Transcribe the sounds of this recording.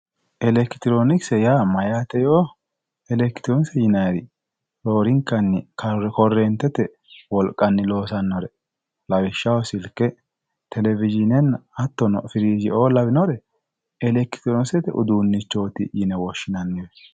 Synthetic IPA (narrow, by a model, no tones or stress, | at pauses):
ʔɛlɛkɪ̥t̪ɪɾoːnɪksɛjaːmɐjat̪ɛjoː | ɛlɛkt̪ɪɾɔnsɛjɪnɐjɾɪ | ɾoːɾɪŋkːɐnːɪkʰɐɛkɔrːɛnt̪ːɛt̪ɛ | wɔlkʼːɐnːɪlo̞ːsɐnːɔɾɛ | lɐwɪʃːɐwɔsɪlkːɛ | t̪ʰɛlɛvɪd͡ʒɪnɛnːɐɐt̪ːɔnɔfɪɾiːd͡ʒɪʔoːlɐbɪnɔɾɛ | ɛlɛkɪ̥t̪ɪɾonsɛt̪ɛʔʊ̰d̪uːnːɪt͡ʃːo̞ːt̪ɪ̰jɪnɛwɔʃːɪnɐnːɪjɔ